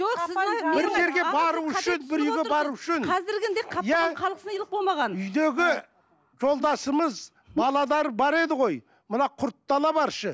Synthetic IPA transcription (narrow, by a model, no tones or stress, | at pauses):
osɪbɪɾʒe̞ɾɡʲe̞bɑɾuʏʃɪnbɪɾʏjɡʲebɑɾuʏʃɪnʰɑzɪɾɡʲɪd̪eqʰɑjæqʰɑlˠqəsnlˠəbolˠmɑʁɑnʏjd̪e̞ɡʲɪ | ʒo̞lˠd̪ɑsəməz | bɑlˠɑd̪ɑɾəbɑɾe̞d̪ɪʁo̞j | mənɑqʰʊɾt̪ːɑlˠɑbɑɾʃə